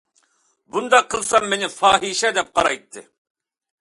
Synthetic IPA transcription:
bund̪ɑqʰːəlˠsɑmːenɪfɑːɦiʃɛd̪ɛp̚qʰɑɾɑjt̪ʰːɨ

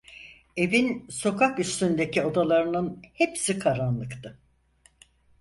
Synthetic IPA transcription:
e̞vinso̞kʰakyst̪ynd̪e̞cʰio̞d̪alˠaɾɯnɯnhepsikʰaɾanlˠɯkt̪ʰɯ

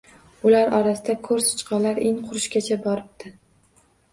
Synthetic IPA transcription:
ʊlaɾɒɾasɪd̪akʰɵɾsʊ̥t͡ʃqʰɑlaɾɪŋqʰʊɾɪʃkʲat͡ʃʰabɒɾɪb̚d̪ɪ

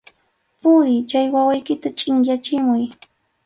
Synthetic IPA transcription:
pʊɾɪt͡ʃajwawajkɪt̪at͡ʃʼɪŋjat͡ʃɪmʊj

